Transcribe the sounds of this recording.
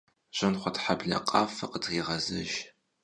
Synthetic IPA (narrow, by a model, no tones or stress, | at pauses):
ʑ̥ɐnχʷɔtħabɮɐ̰qʼɑːfɐqədʁiːʁɐzɐ̰ʒ